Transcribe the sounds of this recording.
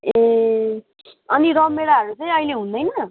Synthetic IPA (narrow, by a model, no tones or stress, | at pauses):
e | ʌniɾʌmmːeɽaɦʌɾut͡sʌĩʌjleɦũnd̪ʌjnʌ